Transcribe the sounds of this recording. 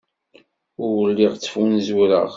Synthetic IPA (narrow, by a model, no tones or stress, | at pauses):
ʊɾwəlːiʁt͡sːə̥funzwɾə̰ʁ